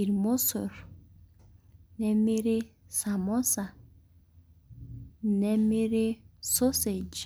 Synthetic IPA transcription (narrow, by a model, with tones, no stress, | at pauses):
i˨ɾmo˦sɔ˨ɾ | nɛ˦me˦ɾe˦sa˨mɔ˦sa˨ | nɛ˦me˦ɾe˦so˦se˨d͡ʒ